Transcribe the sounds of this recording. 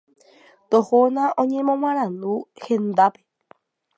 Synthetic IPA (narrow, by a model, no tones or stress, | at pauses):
t̪ohonãʔõɲẽmõmãɾ̃ãnd̪uhend̪ape